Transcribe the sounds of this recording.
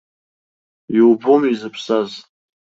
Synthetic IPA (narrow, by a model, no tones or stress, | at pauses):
iwbomizɨpʰsaz